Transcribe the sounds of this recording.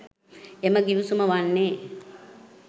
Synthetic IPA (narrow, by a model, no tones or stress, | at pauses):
eməɡiʋusuməʋanːe